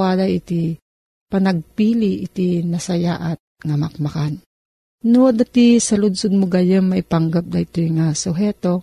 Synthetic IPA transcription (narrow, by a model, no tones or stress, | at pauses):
adajit̪i | pɐnɐɡ̚piːliʔːt̪inɐsajaʔat̪̚ŋamak̚makan | nud̪at̪isɐlʊd̪sʊd̪̚mʊɡajəmmaipaŋɡap̚d̪ait̪ojŋasʊɦɛt̪o